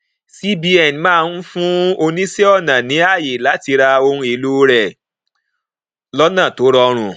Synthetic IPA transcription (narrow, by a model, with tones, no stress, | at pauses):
si˦bi˧˦ɛ˨n˨mãː˦˧n̩˦fũ˦o˧nĩ˦si˦ɔ˦˨nã˨nĩ˨˦a˦˨je˨la˨˦ti˧ɾa˧o˧ɾũ˧e˨˧˨lu˦ɾɛ˨ | lɔ˦nã˦˨to˨˦ɾɔ˧ɾ̃ũ˧˨